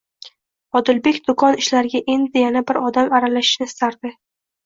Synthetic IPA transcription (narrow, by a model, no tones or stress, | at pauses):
ɒd̪ɪlbe̞kʲd̪ʊkʰɒnɪʃlaɾɪɡʲaʔe̞nd̪ɪjanabɪɾɒd̪amaɾalaʃɪ̥ʃnɪst̪ʰaɾd̪ɪ